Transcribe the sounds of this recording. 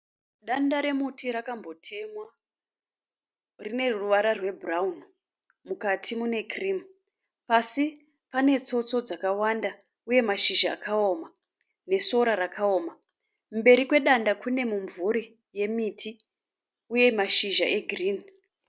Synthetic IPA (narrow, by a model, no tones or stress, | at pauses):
ɗandaɾe̞mutiɾakambo̞tʰe̞mwa | rine̞ruʋaɾarwe̞bʱuraun | mukatʰimune̞krim | pasi | pane̞t͡so̞t͡so̞d͡zakawanda | uje̞maʃiʒa̰ːkʰao̞ma | ne̞so̞ɾaɾakʰao̞ːma | mbe̞ɾikwe̞ɗandakune̞muɱvuɾi | je̞mitʰi | uje̞maʃiʒaʔe̞ɡriːn